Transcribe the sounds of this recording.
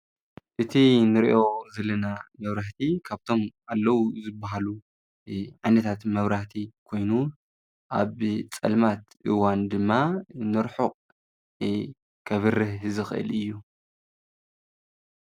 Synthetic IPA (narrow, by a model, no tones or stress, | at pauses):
ʔɨt̪ʰinɨɾiʔo̞zɐlɐnamɐβɾaħt̪ʰikʰaβt̪ʰo̞mʔalːɐwuzɨbːaɦalu | ʕajnɐt̪ʰat̪mɐβɾaħt̪ʰikʰo̞jnu | ʔaβt͡sʼɐ̰lmat̪ʔɨwand̪ɨmːanɨɾħuqʼ | kʰɐβɨrɨhɨzɨxʔɨ̰lɨjːu